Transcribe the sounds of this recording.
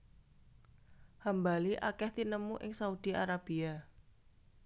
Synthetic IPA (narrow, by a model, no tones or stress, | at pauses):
hambaliʔa̰kɛht̪inəmuʔɪ̰ŋsaud̪̥i̤ʔaɾab̥ia